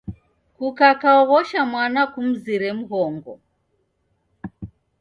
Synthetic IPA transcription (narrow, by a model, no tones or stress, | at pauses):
kukakaɔɣɔʃamwanakum̩ziɾɛm̩ɣɔŋɡɔ